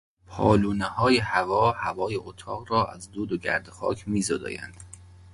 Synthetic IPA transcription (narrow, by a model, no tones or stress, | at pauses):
pʰɒ̰ːluːnehɒːjehævɒːhævɒːjeʔot̪ʰɒːɣrɒːʔæzd̪uːd̪oɟæ̰ɾd̪exɒ̰ːcʰmiːzoːd̪ɒ̰ːjæ̰nd̪̥